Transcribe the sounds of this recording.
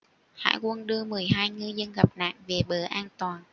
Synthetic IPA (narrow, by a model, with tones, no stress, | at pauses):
ha̰ː˧˥jkwə˧nɗɨ˧əmɨ˨˩əjɦaː˧jŋɨ˧zə˧nɣa˨˩p̚na̰ː˧˨ŋve˨˩ɓəː˨˩ʔaː˧nt̪waː˨˩n